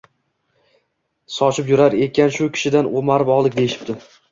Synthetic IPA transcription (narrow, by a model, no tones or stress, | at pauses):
sɒt͡ʃɪpjʊɾaɾe̞kʲanʃʊkʲʰɪ̥ʃɪd̪anomaɾɪpɒʁlˠɪkʲd̪e̞jɪʃɪ̥p̚d̪ɪ